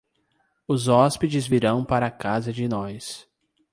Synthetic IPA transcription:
ʊzɔsped͡ʒɪzviɾɐ̃w̃paɾɐakazɐd͡ʒɪnɔjs

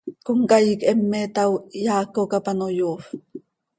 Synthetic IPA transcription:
koŋkajikɛmːet̪awjaːkokapanojoːf

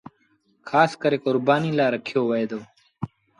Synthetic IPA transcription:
kʰaːskəɾekʊɾbaːniːlaːɾɐkʰjoːwɐeːd̪oː

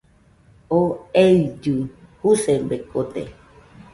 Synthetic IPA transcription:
oed͡ʒuhusembekot̪ḛ

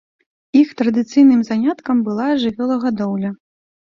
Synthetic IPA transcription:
ixt̪ɾɐd̪ɨt̪sɨjnɨmzanʲat̪kɐmbɨlˠaʐɨvʲɔlˠɐɣad̪ɔwlʲɐ

